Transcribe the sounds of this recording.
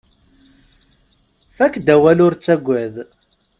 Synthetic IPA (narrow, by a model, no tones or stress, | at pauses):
θækːd̪æwælʊɾt͡sːæɡʷːæð